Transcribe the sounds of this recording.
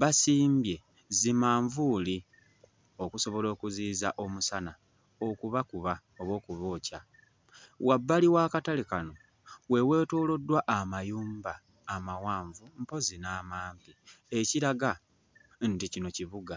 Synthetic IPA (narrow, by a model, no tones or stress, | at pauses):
βasiːmbje̞ | zimaːɱvuːli | o̞kuso̞βo̞lo̞ːkuziːzaʔo̞musana | o̞kuβakuβa | o̞βo̞ːkuβoːca | wabːaliwaːkatalikano̞ | we̞we̞ːtoːlo̞dːwaʔamajuːmbaː | mawaːɱvumpo̞zinaːmaːmpieciɾaɡa | nticino̞ciβuɡa